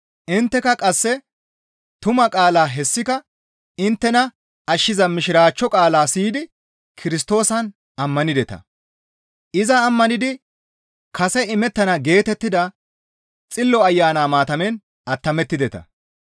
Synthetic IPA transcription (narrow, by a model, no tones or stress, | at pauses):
ʔɪnt̪ːɛkɐkʼɐsːɛ | t̪ʊmɐkʼaːlaːɦɛsːɪkɐ | ɪnt̪ːɛnɐ | ɐʃːɪzɐmɪʃɪɾaːt͡ʃːɔkʼaːlaːsiːd̪ɪ | kʰɪɾɪs̬t̪o̞ːsɐn | ɐmːɐnɪd̪ɛt̪ɐ̰ | ʔɪzɐːmːɐnɪd̪ɪ | kʰɐsɛɪmɛt̪ːɐnɐɡe̞ːt̪ɛt̪ːɪd̪ɐ | t͡sʼɪlːɔɐjːaːnaːmaːt̪ɐmɛn | ɐt̪ːɐmɛt̪ːɪd̪ɛt̪ɐ̰